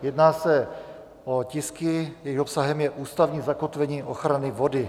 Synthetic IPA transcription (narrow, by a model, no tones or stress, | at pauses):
jɛdnaːsɛ | ʔo̞cɪskɪjɛjxopsaɦɛmjɛʔuːst̪avɲiːzako̞t̪vɛɲiːʔo̞xɾanɪvo̞dɪ